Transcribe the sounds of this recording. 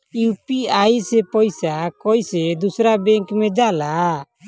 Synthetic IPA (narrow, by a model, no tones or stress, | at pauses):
jupiajsɛpɔjsakɔjsɛd̪usɾabɛŋkmɛd͡ʒala